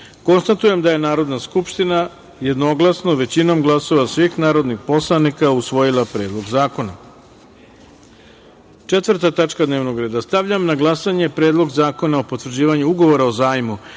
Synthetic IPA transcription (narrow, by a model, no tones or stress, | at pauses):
ko̞nst̪at̪uje̞md̪aje̞naːɾo̞d̪naskupʃt̪ina | je̞d̪no̞ɡlˠasno̞ʋe̞t͡ɕino̞mɡlˠaso̞ʋasʋixnaːɾo̞d̪nixpo̞slˠanikausʋo̞jilˠapɾe̞ːd̪lˠo̞ɡzaːko̞na̰ | t͡ʂet̪ʋr̩t̪at̪at͡ʂkad̪neʋnoɡɾe̞ːd̪ast̪aʋʎamnaɡlˠasaɲe̞pɾe̞ːd̪lˠo̞ɡzaːko̞naopo̞t̪ʋrd͡ʑiːʋaɲuuɡo̞ʋo̞ɾaozaːjmu